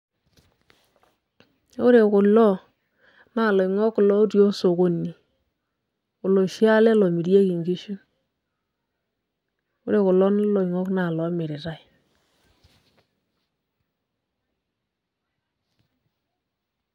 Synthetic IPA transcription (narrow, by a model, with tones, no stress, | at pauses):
o˦ɾe˨kʊ˨lːɔ˦ | na˨lɔ˨i˨ŋɔ˦kːʊ˨lɔ˦tjo˦so˨ko˨nːi˨ | ʊ˨lo˨ʃi˦a˦lɛ˦lɔ˨mi˨ɾa˦ki˨ŋɡi˦ʃu˦n˦ | o˦ɾe˨kʊ˨lɔ˦na˦lɔ˨i˨ŋɔ˦kna˨lɔ˨˦mɪ˨ɾɪ˨ɾa˦˨i˨